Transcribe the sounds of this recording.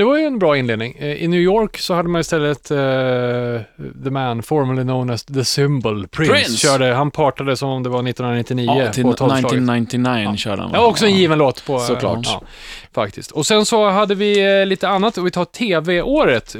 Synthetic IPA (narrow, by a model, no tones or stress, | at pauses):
d̪̥ɛvaɾjɵɛnbɾɑːɪnleːd̪nɪŋɪ̰njʉːjoːɾksɔhad̪ːəmanɪst̪ɛlːət̪ | ðəmænfɔɾməlɪnoʊnæsðəsɪmbəlpʰɾɪnssɕœːɖəhanpʰɑːʈad̪əsɔmɔmd̪ɛvanɪt̪ːnh̪ɵnanɪt̪ːɪniːəoɔlɑaɪnt̪ɪnajnœ̰ːɖəa̰naɔksɔɛnjiːvənloːt̪pʰɔlɑ̰ː | fa̰k̚t̪ʰɪskt̪ɔsɛnsɔɦad̪ːəvɪliːt̪əanːat̪ːɔvɪt̪ʰɑːʈʰeːveʔoːɾət̪